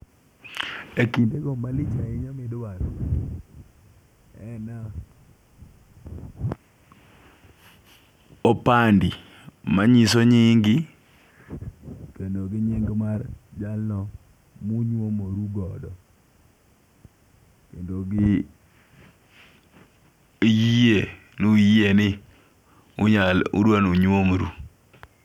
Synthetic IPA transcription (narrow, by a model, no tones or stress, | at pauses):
ekindeɡɔmalɪt͡ʃaɪɲamɪdwaɾo̰ | ɛ̰na | opandi | maɲisoɲiŋɡi | kendoɡɪɲɪŋɡmard͡ʒalnɔ | muɲwomoɾuɡɔdɔ | kendoɡɪ | jije | nujenɪ | ʊɲalṵdwanuɲomɾu